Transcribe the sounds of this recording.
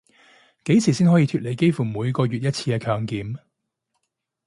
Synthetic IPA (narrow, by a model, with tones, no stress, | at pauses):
ke˨˥jt͡sʰiː˨˩siː˥nhɔː˨˥jiː˧t̪ʰyː˧t̚le˨˩jke˥jfuː˨˩muː˨˧jkɔː˧ɥyː˨t̚jɐ˥t̚t͡sʰiː˧kɛː˧kʰœː˨˧ŋkiː˨m